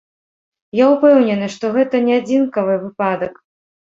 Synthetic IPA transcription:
jawpɛwnʲɛnɨʂt̪ɔɣɛt̪ɐnʲɛad͡zʲinkɐvɨvɨpad̪ɐk

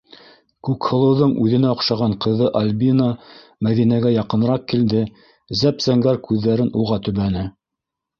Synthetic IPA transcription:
kʉkhɤ̆lˠɤ̆wðɤɴʉðɘ̆næŏqʃɑʁɑɴqɤ̆ðɤʔalʲbina | mæðinæɡæjɑqɤ̆nɾɑq̚kild̪ɘ | zæpzæŋɡæɾkʉðːæɾɘnuʁɑt̪ɵ̆βænɘ

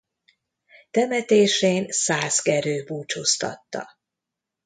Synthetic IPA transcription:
t̪ɛmɛt̪eːʃeːnsaːzkɛɾøːbuːt͡ʃost̪ɒ̰t̪ːɒ̰

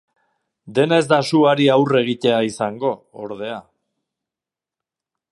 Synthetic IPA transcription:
d̪e̞nezd̪asuaɾiawre̞ɣ̞it̪e̞aisaŋɡo̞ | o̰ɾðe̞a

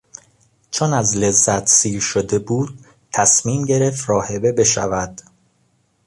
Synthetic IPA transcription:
t͡ʃʰonæzle̞zːæt̪ʰsiːɾʃod̪e̞buːd̪̥̚ | t̪ʰæsmiːmɟe̞ɾe̞ft̪ɾɒːhe̞be̞be̞ʃævæd̪̥

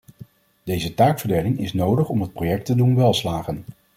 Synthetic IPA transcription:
d̥ejzətaːksfəɹdejlɪŋɪsnowdəχɔmɦət̚projɛk̚tədunʋɛlˠslaːχən

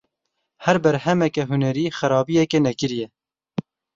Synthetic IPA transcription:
hæɾbɛɾhɛmɛkɛɦʊnɛɾiːxæɾɑːbijɛkenɛkɨɾjɛ

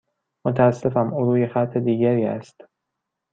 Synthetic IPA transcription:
mot̪ʰæːsːe̞fæmuːɾuːjexæt̪ʰːe̞d̪iːɟæɾiːæ̰st̪

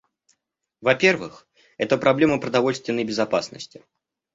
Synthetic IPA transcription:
vɐpʲe̞rvɨ̰x | ɛt̪əpɾɐblʲe̞məpɾəd̪ɐvo̞lʲst̪vʲɪnːəjbʲɪzɐpasnə̰sʲtʲɪ

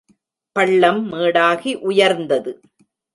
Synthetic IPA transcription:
pɐɭːɐmːeːɽaːɣiʔʊjɐɾnd̪ɐðɯ

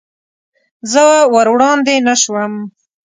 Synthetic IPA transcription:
zəwawaɾwɽɑnd̪enaʃwəm

